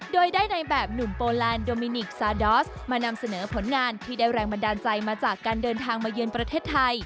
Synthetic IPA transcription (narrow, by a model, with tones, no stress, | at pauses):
doː˧jdaː˥˩jna˧jbɛː˨˩p̚nu˨˩mpoː˧lɛː˧ndoː˧miː˧ni˨˩k̚saː˧dɔː˦˥s | maː˧na˧msa˧nɤː˩˦pʰo˩˦nŋaː˧nt̪ʰiː˥˩daː˥˩jɾɛː˧ŋba˧ndaː˧nt͡ɕa˧jmaː˧t͡ɕaː˨˩kːaː˧ndɤː˧nt̪ʰaː˧ŋmaː˧jɯ˧ənpɾa˧t̪ʰeː˥˩t̪ʰːa˧j